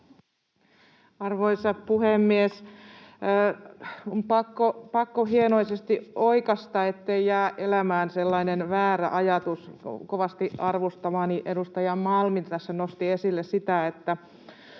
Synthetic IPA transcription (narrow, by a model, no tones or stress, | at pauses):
ɑrʋoisɑppuhemːies | ompɑkːopɑkːohienoisest̪ioikɑst̪ɑːet̪ːeijæːʔʔelæmæːnselːɑinenʋæːɾæ̰ʔɑjɑt̪uskoʋɑst̪iʔɑrʋost̪ɑmɑːniʔedust̪ɑjɑmmɑlmint̪æsːænost̪iesilːessit̪æet̪ːæ